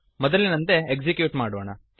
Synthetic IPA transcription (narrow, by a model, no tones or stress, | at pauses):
mɔd̪ɐlːinɐnt̪e̞ekd͡ʒikjuːʈmaːɽʋoːɳɐ